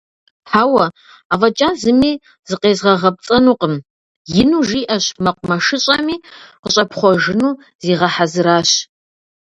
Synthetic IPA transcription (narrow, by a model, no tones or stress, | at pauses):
ħaːwɐ | aːvɐt͡ʃʼaːnzɨmiː | zɨqeːzʁɐʁɐp̚t͡sʼɐnuːqʼəm | jɪnuːʒiːʔɐɕmɐqʷʼʊmɐʂɨɕʼɐmiːqəɕʼɐpʰχʷɔʒɨnuː | ziːʁɐħazɨɾaːɕ